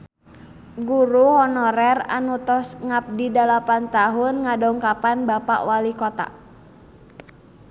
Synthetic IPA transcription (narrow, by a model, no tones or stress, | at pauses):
ɡuɾuhɔnɔɾɛra̰nut̪ɔsŋap̚didalapant̪aɦʊnŋadɔŋkapanbapa̰ʔwalikɔt̪a̰